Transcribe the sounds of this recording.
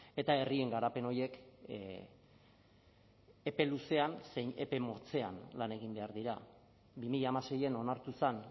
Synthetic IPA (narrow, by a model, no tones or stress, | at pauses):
e̞t̪ae̞rie̞ŋɡaɾape̞no̞je̞k | epe̞luse̞anseɲe̞̰pe̞mo̞t͡se̞a̰nlane̞ɣ̞imbe̞aɾðiɾa | bimiʎaːmase̞je̞no̞naɾt̪usan